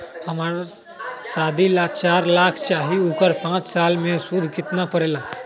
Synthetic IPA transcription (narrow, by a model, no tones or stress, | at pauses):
həmaːɾa | saːd̪ʱilat͡ʃaːɾlaːkʰt͡ʃaːɦiuːkəɾpãːt͡ʃsaːlmẽsʊd̪ʱkɪt̪napəɾeːlaː